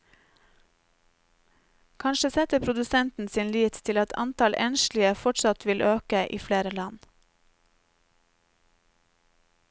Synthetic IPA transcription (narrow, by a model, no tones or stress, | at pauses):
kʰɑnʃəsɛt̪əpʰɾʊd̪ʉsɛnt̪n̩siːnliːt̪t̪ʰɪlɑt̪ʰɑ̰nt̪ʰɑlʔɛnʃlɪəfɔʈsɑt̪ʰʋɪlʔøːkəʔḭːfleːɾəlɑn